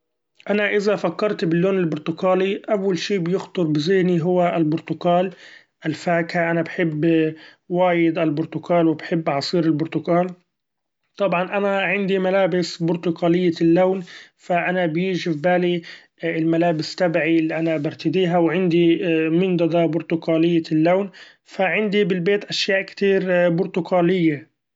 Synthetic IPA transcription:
ʔanaʔɪzafakːɑɾˤt̪bɪlːoːnɪlbʊɾt̪ʊkaːliʔawːalʃiːbjɪxt̪ˤʊɾˤbɪzɪhniɦʊwːaɪlbʊɾt̪ʊkaːl | ʔalfaːkhaʔanabħɪbː | waːjɪd̪albʊɾt̪ʊkaːlwɪbħɪbːʕɑsˤiːɾɪlbʊɾt̪ʊkaːl | t̪ˤɑbʕɑnʔanaʕɪnd̪imalaːbɪsbʊɾt̪ʊkaːlɪjːalːawnfaʔanabjiːʒɪfbaːli | ɪlmalaːbɪst̪abʕilːiʔanabɪɾˤt̪ɪd̪iːɦawʕɪnd̪imɪnd̪ɑd̪ˤɑbʊɾt̪ʊkaːlɪjːalːawn | faʕɪnd̪ibɪlbeːt̪ʔaʃjaːʔkt̪iːɾbʊɾt̪ʊkaːlɪjːa

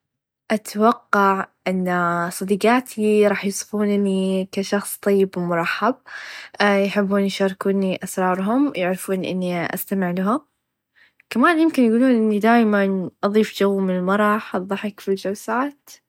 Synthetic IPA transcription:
ʔat̪awɑqːɑʕʔɪnːasˤɑd̪iːqɑːt̪ʰiɾˤɑːħjsˤfuːnnikaʃɑxsˤt̪ˤɑjːɪbwmʊɾˤɑħːab̚ | jħɪbːuːnjʃɑːɾˤkuːniʔasɾˤɑːɾˤɦʊmjaʕɾɪfuːnʔɪ̰nːiʔa̰st̪amɪʕlaɦʊm | kamaːnjɪmkɪnjɡuːluːnʔɪnːid̪aːjmanʔɑðˤiːfd͡ʒawːmɪnɪlmɑɾˤɑħʔɑðˤːɑħɪkfild͡ʒawsaːt̪

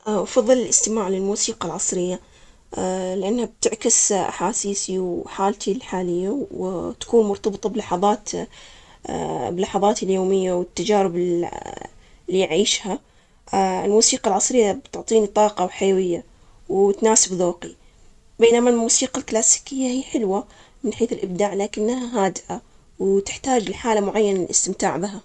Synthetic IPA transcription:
ʔfɑðˤːɨlɪlʔɪst̪ɪmaːʕlɪlmuːsiːqalʕɑsˤɾɪjːa | lɪʔanːhab̚t̪ɪʕkɪsʔa̰ħaːsiːsiwħaːlt̪ʰilħaːlɪjːawt̪ḁkuːnmʊɾt̪ɑbɨt̪ˤɑblɑħɑðˤɑːt̪ | bɪlːɑħɑðˤɑːt̪ɪljoːmɪjːawɪt̪ːad͡ʒaːɾɪb | lːiʕiːʃha | ɪlmuːsiːqɑlʕɑsˤɾɪjːabt̪ʊʕt̪ˤiːnit̪ˤɑːqɑwħajawɪjːa | wt̪naːsɪbðoːqi | beːnamalmuːsiːqalklaːsi̥kɪjːahiːħɪlwamɪnħeːθɪlʔɪb̚d̪aːʕlaːkɪnːhaɦaːd̪ɪʔa | wt̪ɪ̥ħt̪aːd͡ʒlħaːlamʊʕajːanalʔɪ̰st̪ɪmt̪aːʕbɪɦa

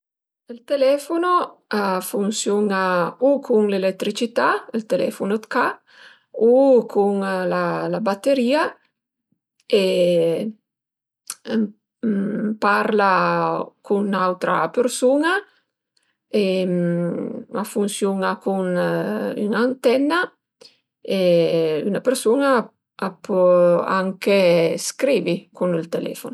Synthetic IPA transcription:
elt̪elɛfonoafunsjonaukʰuŋlelet̪ːɾit͡ʃit̪aelt̪elɛ̰fonod̪ka | ukʰuŋlalabat̪ːeɾiːa | e | paɾla | kunawt̪ɾa̰persuːna | e | afunsjoːnakun | y̰nant̪ɛnːa | ey̰napeɾsoːna | apɔa̰ŋkeskɾiːvikunilt̪elɛ̰ːfono

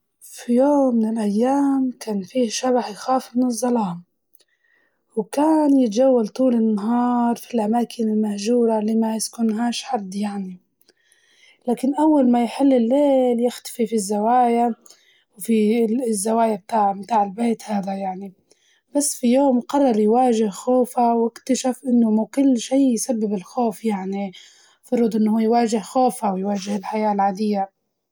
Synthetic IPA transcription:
fijoːmːɪnɪlʔajːaːmkaːnfiːʃaβaħjxaːfmɪnɨzˤːɑlɑːm | wkaːnjɪt̪ad͡ʒawːalt̪ˤuːlɪnːaɦɑːɾˤfilʔamaːkʰɪnɪlmahʒuːɾaliːmaɪskʊnɦaːʃħad̪ːjaʕni | laːkɪnʔawːalmajħɪlːɪlːeːljɪxt̪ḁfifizːawaːja | wfizːawaːjab̚t̪aːʕmt̪aːʕɪlbeːt̪haːd̪ajaʕni | b̥asːfijoːmqɑrˤːɑɾˤjwaːʒɪhxoːfawɪkt̪aʃafʔɪnːʊmukʊlːʃiːjsabːɪbɪlxoːfjaʕni | fɑɾˤʊd̪ˤʔɪnːhuːajwaːʒɪhxoːfawjwaːʒɪhɪlħajaːlʕaːd̪ɪjːa

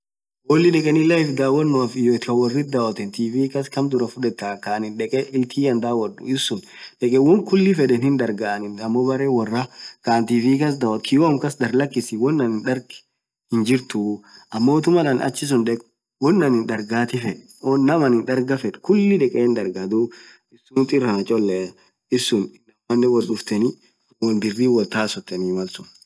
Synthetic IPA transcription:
wɔlːɪᶑɛkʼɛnɪlɐjɪfd̪aːwɐnːʊɐfɪjɔt̪ɐwɐrːɪt̪̚d̪aːwɐt̪ɛnt̪iːfiːkɐskɐmd̪ʊɾɐfʊᶑɛt̪ːaːkaːnɪnᶑɛkʼɛʔɪlt̪ʰiːɐnd̪aːwɐᶑʊ̰ɪsːʊnᶑɛkʼɛwɔŋkʊlːɪfɛᶑ̪ɛnɪnd̪ɐɾɡaʔɐnɪnɐmːobɐɾeːwɐrːakaːnt̪iːviːkɐsd̪aːwɐt̪̚kʰɪjomkɐsd̪ɐɾlɐkːɪsɪwɔnːɐnɪnᶑɐɾɡ | hɪnd͡ʒɪɾt̪ʊʔɐmːoːt̪ʊmɐᶑɐnɐ̰t͡ʃːɪs̬ʊnᶑɛkʼ | wɔnːɐnɪnd̪ɐɾɡaːt̪ɪfɛᶑɛ̥ | ɔːɐmɐnɪnᶑ̪ɐɾɡɐfɛᶑkʊlːɪᶑɛkʼeːnd̪ɐɾɡad̪u | ɪsːʊnt̪ʼɪrːɐnɐt͡ʃʼɔlːɛ | ɪsːʊnɪnɐmɐnːɛwɔlɗʊft̪ɛnɪ | wɔnb̪ɪrːiːwɔlt̪aːsɔt̪ːɛnimɐlsʊn

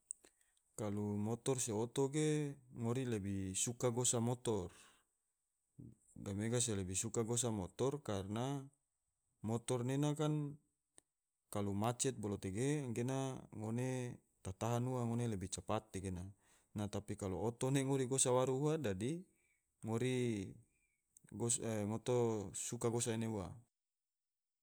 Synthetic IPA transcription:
kalumɔt̪ɔrseot̪oɡeŋoɾilebisukaɡosamɔt̪ɔr | ɡameɡas̬elebisukaɡos̬amɔt̪ɔrkarna | mɔt̪ɔrnenakan | kalumat͡ʃɛt̪̚bolot̪eɡeŋɡenaŋone | t̪at̪aɦanuaŋonelebit͡ʃapat̪̚ːeɡena | nat̪apikaloːt̪oneŋoɾiɡosawaɾuɦadadi | ŋoɾi | ɡosŋot̪ɔsukaɡosaineua̰

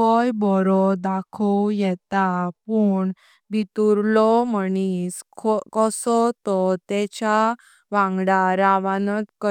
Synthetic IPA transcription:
kɔjbɔɾɔd̪akʰuwjɛt̪apuɳ | bit̪uɾlɔməniskʰkɔsɔt̪ɔt̪ɛt͡ɕa | ʋãŋɡɽaɾaʋanət̪kə

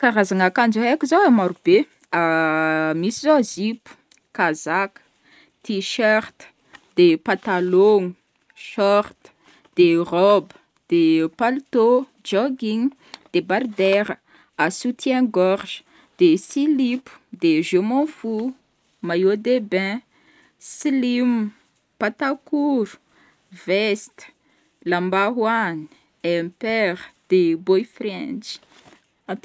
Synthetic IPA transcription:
kaɾazaŋakand͡ʒekʲizowamaɾub̥e | a | misizozipu̥ | kazakə̥ | t̪iʃaʁt̪ | d̪̥epãt̪alɔŋu | ʃɔʁt̪ | d̪̥eʁɔbə | d̪̥epalt̪o | d͡ʒɔɡiŋ | d̪̥ebaɾd̪ɛɾə | asut̪jɛ̃ɡɔʁʒə̥ | d̪̥esilipu̥d̪eʒomɔ̃fu | majod̪ebɛ̃ | silim | pat̪akuɾu̥ | vɛst̪ | lambaɦwani̥ | ɛpɛʁd̪̥ebojfɾɛ̃d͡ʒ̥

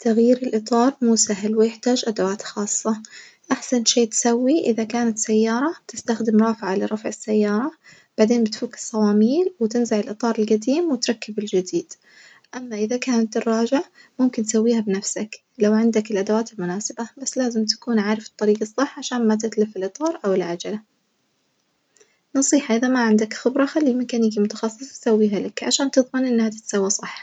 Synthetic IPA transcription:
t̪aɣjiːɾɪlʔɨt̪ˤɑːɾˤmuːsaɦlwɪjɪħt̪aːd͡ʒʔad̪awaːt̪xɑːsˤːɑʔaħsanʃeːt̪ɪ̥sawːiʔɪðakaːnat̪sajːɑːɾˤɑb̥̚t̪ɪst̪axd̪ɪmɾˤɑːfɪʕalɪɾˤɑfʕɪsːajːɑːɾˤɑ | b̥aʕd̪eːnbɪt̪fuːkɪ̥sˤɑwɑːmiːlwɪt̪ɪnzaʕɪlʔɨt̪ˤɑːɾˤɪlɡad̪iːmwɪt̪ɾˤɑkːɪbɪld͡ʒɪd̪iːd̪̥ | ʔamːaʔɪðakaːnat̪ːɪrˤːɑːʒɪʕmʊmkɪnt̪sawːiːhabɪnafsak | lawʕɪnd̪akɪlʔad̪awaːt̪ɪlmʊnaːsɪbabasːlaːzɪmt̪ḁkuːnʕaːɾɪfɨt̪ˤːɑɾiːɡɑsˤːɨħːʕaʃaːnmat̪̬ɪt̪lɪfɪlʔɨt̪ˤɑːɾˤʔawɪlʕad͡ʒala | nɑsˤiːħɑʔɪðamaʕɪnd̪akxɪbɾˤɑxalːilmɪkaːniːkimʊt̪ɑ̥xɑsˤːɨ̥sˤɑ̥t̪sawːiːɦalakʕa̰ʃaːnt̪ɨðˤmɪnʔɪnːhat̪ɪ̥t̪sawːisˤɑħː

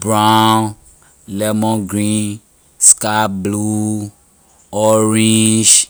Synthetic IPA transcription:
bɾan | lɛmɔ̃ɡɾĩ | skablu | ɔɾĩd͡ʒ

